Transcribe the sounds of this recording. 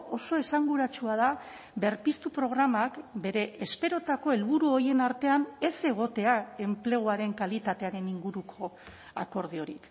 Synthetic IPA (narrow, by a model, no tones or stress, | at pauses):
o̞so̞e̞saŋɡuɾat͡ʃuað̞a | be̞ɾpist̪upɾo̞ɣ̞ɾamakbe̞ɾe̞ʔespe̞ɾo̞t̪ako̞e̞lβuɾuo̞je̞naɾt̪e̞ane̞se̞ɣ̞o̞t̪e̞ae̞mple̞ɣ̞uaɾe̞ŋkalit̪at̪e̞aɾe̞niŋɡuɾukʰo̞ | a̰ko̞ɾðio̞ɾḭk